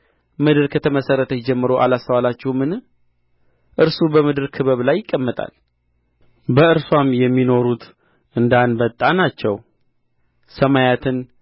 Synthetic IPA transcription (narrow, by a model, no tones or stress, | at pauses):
mɨd̪ɨɾkʰət̪ʰəməsərːət̪ʰəjɪd͡ʒɛmːɨɾoʔalast̪əwalat͡ʃːɛhmɨn | ʔɨɾsubəmɨd̪ɨɾkʰɨβəβlajːɪkʼːəmːət̪ʼa̰l | bəɨɾswamjɛmːino̞ɾut̪ʰ | ʔɨnd̪anbət̪ʼːanat͡ʃːɛw | səmajat̪ʰɨn